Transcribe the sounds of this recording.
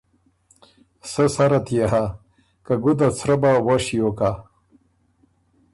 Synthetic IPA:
səsaɾat̪jaɦa | kaɡud̪at͡sʰɾabawaʂijoka

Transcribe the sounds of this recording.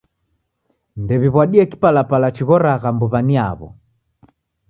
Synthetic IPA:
ndɛβiβwaɗiɛki̥palapalat͡ʃiɣɔɾaɣambɔβaniaβɔ̰

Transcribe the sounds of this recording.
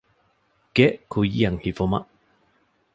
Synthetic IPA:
kɛʔkʰujijaŋhifoma̰ʔ

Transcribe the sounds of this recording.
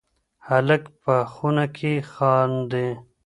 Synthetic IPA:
haləkpəxunakʰexɑːnd̪e

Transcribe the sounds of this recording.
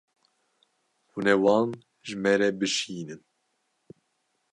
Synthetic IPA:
hunɛwɑːn | ʒɨmɛɾɛbɨʃiːnɨn

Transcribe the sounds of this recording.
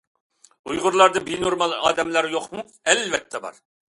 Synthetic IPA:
ujʁʊɾlˠɑɾd̪ɨbenoɾmɑlˠɑ̰ːd̪ɛmlæɾjoqmu | ɛlvɛt̪ʰːɛbɑ̰ɾ

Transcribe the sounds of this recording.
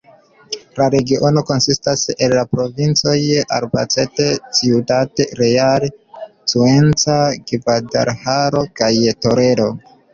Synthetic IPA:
laɾe̞ɡio̞no̞ko̞nsistase̞lːapɾo̞vint͡so̞ja̰ɾba̰t͡se̞te̞t͡siutateɾeaɾsue̞nt͡saɡivada̰ɾhaɾo̞kajto̞ɾe̞ɾo̞

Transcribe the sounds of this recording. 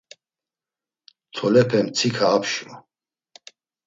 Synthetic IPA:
t̪ʰɔlɛpʰɛmt͡sʰikʰaːpʰʃɔ̰

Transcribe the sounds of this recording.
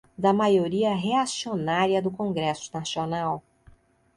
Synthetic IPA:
d̪ɐmajoɾiɐɦeasionaɾiɐd̪ʊkõɡɾɛsʊ̥nasionaw

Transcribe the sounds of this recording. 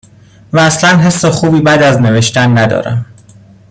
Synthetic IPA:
væːslænɦe̞sːexuːbiːbæd̪æzne̞ve̞ʃt̪ænːæd̪ɒ̰ːɾæ̰m

